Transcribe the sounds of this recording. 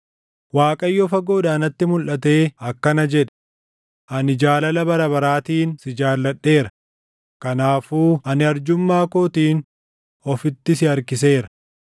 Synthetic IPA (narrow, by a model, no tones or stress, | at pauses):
waːkʼɐjːɔːfɐɡo̞ːd̪aːnɐt̪ːɪmʊlʔɐt̪e̞ːɐkːɐnɐd͡ʒɛᶑɛ̥ | ʔɐnɪd͡ʒaːlɐlɐbɐɾɐbɐɾaːt̪iːnsɪd͡ʒaːlːɐɗːe̞ːɾɐ | kɐnaːfuːɐnɪɐɾd͡ʒʊmːaːkoːt̪iːn | ɔfɪt̪ːɪsɪɐɾkɪs̬e̞ːɾɐ̥